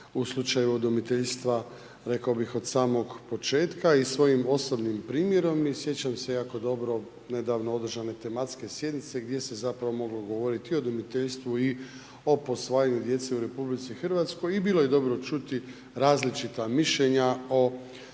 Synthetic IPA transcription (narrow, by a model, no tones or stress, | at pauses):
uslˠut͡ʃajuod̪umit̪e̞ʎst̪ʋa | ɾe̞kaobixo̞d̪saːmo̞ɡpo̞t͡ʃe̞ːt̪kaisʋo̞jimo̞so̞bnimpɾiːmje̞ɾo̞misje̞t͡ɕamsejaːko̞d̪o̞bɾo̞ | ne̞d̪aʋnoo̞d̪r̩ʒane̞t̪e̞mat̪ske̞sje̞d̪nit̪se̞ɡd̪je̞se̞zapɾaʋo̞mo̞ɡlo̞ɡo̞ʋo̞ɾit̪io̞d̪umit̪eʎst̪ʋui | o̞po̞sʋaːjaɲud̪je̞t̪se̞uɾe̞publit̪sixr̩ʋat̪sko̞jibilˠo̞je̞d̪o̞bɾo̞t͡ʃut̪i | ɾaːzlit͡ʃit̪amiʃʎe̞ɲao